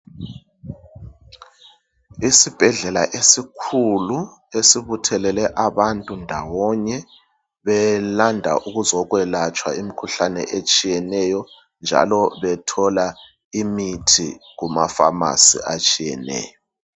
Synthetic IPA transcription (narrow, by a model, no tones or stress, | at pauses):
isib̥ʱɛɮɛla̰ʔesikʰulu | esiβutʰɛlɛlɛʔaβantʼundʱawɔɲɛ | βɛlandʱa̰ʔuɣuzɔɣwɛlat͡ʃʼwa̰imikʰuɬanɛ̰ʔet͡ʃʼijɛnɛjɔ | nd͡ʒʱa̰lɔβɛtʰɔla | imitʰḭɣumafa̰ma̰sḭat͡ʃʼijɛ̰nɛ̰ːjɔ